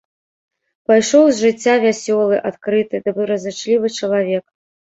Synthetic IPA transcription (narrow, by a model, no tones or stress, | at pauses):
pajʂɔwzʐɨt͡sʲːavʲasʲɔlˠɨʔat̪kɾɨt̪ɨd̪ɐbɨɾɐzɨt͡ʂlʲivɨt͡ʂɐlˠavʲɛk